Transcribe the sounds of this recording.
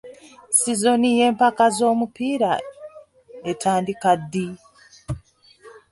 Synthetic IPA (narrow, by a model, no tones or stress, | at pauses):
sizo̞nije̞ːmpakazo̞ːmupiːɾa | e̞tʰaːndikadːi